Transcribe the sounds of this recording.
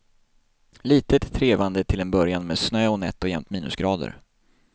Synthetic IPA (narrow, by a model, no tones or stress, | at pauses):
liːt̪ət̪ʰːɾeːvand̪ət̪ʰɪlɛnbœɾjanmeːd̪snøːɔnɛt̪ːɔjɛmt̪miːnɵ̰sɡɾɑːd̪ə̰ɾ